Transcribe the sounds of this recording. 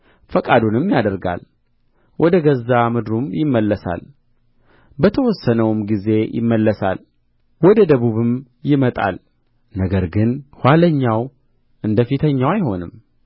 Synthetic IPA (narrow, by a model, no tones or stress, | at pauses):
fəkʼad̪unɨmjad̪əɾɡa̰l | wʔɔd̪əɡəzːamɨd̪ɾumjɪmːəlːəsa̰l | bət̪ʰəwɔsːənəwmɡize̞jʔɪ̰mːəlːəsa̰l | wɔd̪əd̪əβuβɨm | jɪmət̪ʼa̰l | nəɡəɾɡɨnhʷaləɲːaw | ʔɨnd̪əfit̪ʰəɲːawajho̞nɨ̰m